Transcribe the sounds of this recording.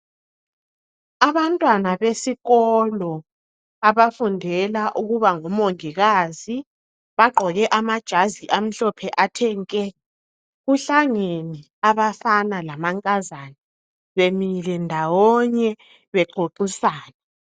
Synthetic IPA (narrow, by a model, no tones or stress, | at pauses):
aβantʼwanaβesiɣɔlɔ | aβafundʱɛlaʔuɣuβaŋɔmoŋiɣaːzi | βaɡ͡ǃʱɔɣɛʔamad̥ʒ̥ʱaziʔam̩ɬɔpʰɛʔatʰɛŋkʼɛ | ɣuɬaŋeni | aβafanalamaŋkʼazani | βemilɛndʱawɔɲɛ | βɛɡ͡ǃʱoǃisaːnɛ